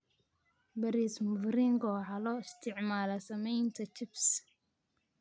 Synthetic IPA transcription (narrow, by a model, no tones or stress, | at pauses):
bɐɾismʊvɾiŋɡɔħɑlɔːɪst̪ʰɪʕmaːlɐsɐmɛjnt̪ʰɐt͡ʃɪbs